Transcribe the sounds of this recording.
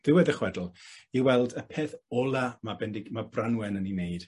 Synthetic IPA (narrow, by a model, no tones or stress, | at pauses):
ð̥ɪwɛdəχwɛdl̩ˠiwɛlˠdəpʰeːθɔlˠamabɛndɪɡmabranwɛnənineɨd̥